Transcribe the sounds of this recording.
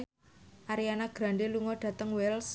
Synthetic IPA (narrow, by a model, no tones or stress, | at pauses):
ʔaɾijanaɡ̥ɾa̤ɳɖeluŋɔɖ̥ä̤t̪əŋwɛls